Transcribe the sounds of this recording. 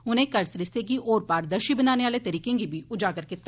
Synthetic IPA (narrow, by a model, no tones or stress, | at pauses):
ʊnẽkɐɾsɾɪst̪ek̬iʔɔːɾpaːɾd̪əɾʃibɐnaːneʋaːlet̪ɐɾiːkẽɡibʱiʔʊd͡ʒaːkɐɾket̪